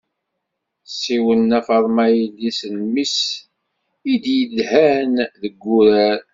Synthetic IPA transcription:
siwənːæfəɾˤmæjəlːisənmis | id̪jəlhænðəɡːuɾæɾ

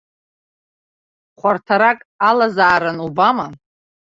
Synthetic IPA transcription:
χʷartʰaɾakʼalazaːɾanubama

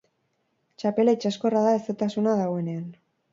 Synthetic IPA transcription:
t͡ʃape̞lait͡ʃasko̞raðaeset̪asunaðaɣo̞e̞nean

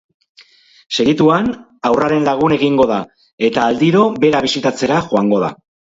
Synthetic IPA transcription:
se̞ɣit̪uan | awraɾe̞nlaɣ̞une̞ɣiŋɡo̞ða | e̞t̪aːld̪iɾo̞be̞ɾaβisit̪at͡se̞ɾaʝoaŋɡo̞ð̞a̰

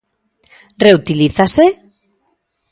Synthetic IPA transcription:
reut̪iliθase

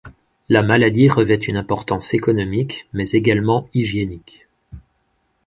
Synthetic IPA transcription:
lamalad̪iʁəvɛt̪ynɛ̃pɔʁt̪ɑ̃sekɔnɔmikmɛzeɡalmɑ̃iʒjenik

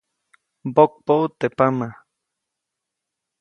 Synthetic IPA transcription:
bok̚pout̪epama

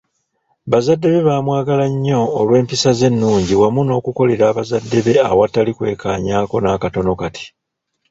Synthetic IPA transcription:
βazadːe̞βe̞βaːmwaːɡalaɲːo̞ːlwe̞ːmpisaze̞nːuːɲɟiwamuno̞ːkuko̞le̞ɾaːβazadːe̞βe̞a̰watalikwe̞̰ːkaːɲaːko̞naːkato̞no̞katʰi̥

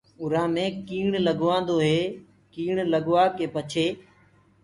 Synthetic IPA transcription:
ʊɾãːmẽːkiːɳləɠʋãːn̆d̪oːɦeː | kiːɳ̃ləɠʋaːkeːpət͡ʃʰeː

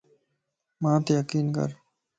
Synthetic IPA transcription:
mãːt̪ejəkiːnkə̰ɾ

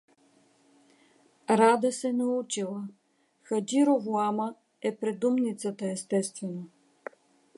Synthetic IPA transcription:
ɾad̪əsɛnɐut͡ʃilˠə | xɐdiɾovuamə | ɛpɾɛd̪umnit̪sət̪əɛst̪ɛst̪vɛno

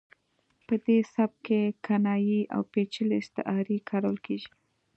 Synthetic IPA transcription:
pəd̪esab̚kekʰanɑjiʔa̰wpet͡ʃəlist̪ɪ̰ʔɑɾikʰɑɾawəlkʰeʒi

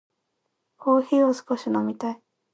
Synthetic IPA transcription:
ko̞ːçiːosɨ̥ko̞ɕinomʲit̪ai

